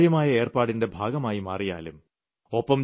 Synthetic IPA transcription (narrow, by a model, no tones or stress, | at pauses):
jɐmaːjɐe̞ːrpaːɽinde̞bʱaːɡɐmaːjimɐ̰ːrija̰ːlum | opːɐm